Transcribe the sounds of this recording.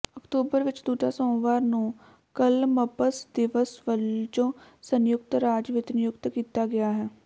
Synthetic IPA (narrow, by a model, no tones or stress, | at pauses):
əkt̪oːbəɾʋɪt͡ʃd̪uːʈaːsõːʋaːɾnũː | kəlməpəsd̪ɪʋəsʋəld͡ʒõːsənjʊk̚t̪ɾaːd͡ʒʋɪt̪njʊkt̪kiːt̪aːɡɪaːɦɛː